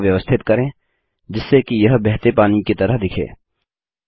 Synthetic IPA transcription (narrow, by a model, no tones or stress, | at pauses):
ʋjəʋəst̪ʰɪt̪kəɾẽ | d͡ʒɪsːekijəɦbɛɦt̪epaːniket̪ɐɾəɦd̪ɪkʰḛ̃ː